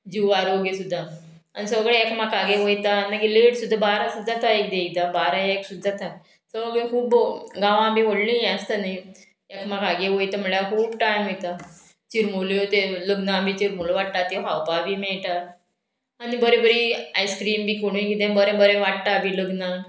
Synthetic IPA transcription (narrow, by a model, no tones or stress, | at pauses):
d͡ʑiʋaɾoɡesud̪ʱːa | añisəɡɭeɛkmakaɡẽʋəjt̪anaɡileɽsud̪ʱːabaɾasud̪ʱːat̪ʰaek̚d̪eɡt̪abaɾajaksud̪ʱːat̪ʰa | səʋəɡɭekʰuːbɡãʋãbiʋoɽlĩjɛ̃st̪anai | ekmakaɡeʋojt̪am̤əɭakʰuːbʈajmet̪a | t͡ɕiɾmolot̪eləɡnabit͡ɕiɾmoloʋaʈt̪at̪eɦawpaʋimɛɭʈ̪aː | nibəɾebəɾiajskɾiːmbiːkoɽ̃ũĩkit̪ẽbəɾebəɾẽʋaʈt̪abʱiləɡna